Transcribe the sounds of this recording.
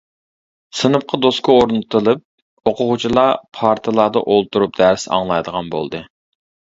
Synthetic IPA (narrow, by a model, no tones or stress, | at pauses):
sɨnɨp̚qʰɑd̪oskʰəoɾnɨt̪ɨlˠɨp̚ | oqʰʊʁʊt͡ʃʰilˠɑpʰɑɾt̪ʰɨlˠɑd̪ɑ̰ʔolˠt̪ʰuɾup̚d̪æɾsɑ̰ŋlˠɑjd̪əʁɑnbo̰lˠd̪ɨ